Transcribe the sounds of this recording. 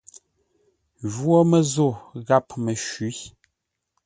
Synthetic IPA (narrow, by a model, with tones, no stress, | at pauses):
ʒwo˦mə˨zo˦˨ɣa˦pmə˨ʃi˨˦